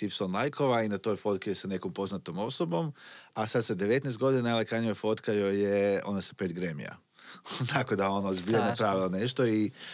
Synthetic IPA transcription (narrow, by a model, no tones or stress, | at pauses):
t̪ipsonlˠajkʰo̞ʋainat̪o̞jfo̞t̪̚kijesane̞kompo̞znat̪omo̞sobo̞masad̪sad̪eʋe̞t̪nɛjst̪ɡo̞d̪inanaalekanijofo̞t̪kajojeo̞nase̥pet̪ɡɾemḭja̰ | t̪akod̪ao̞nobionapɾaʋilˠoneʃt̪oi